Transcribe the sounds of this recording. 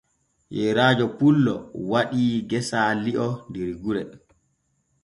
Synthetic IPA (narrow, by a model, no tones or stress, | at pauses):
jɛɾaːd͡ʒɔpulːɔ̰waɗiːɡɛsaːliʔɔndiɾɡuɾɛ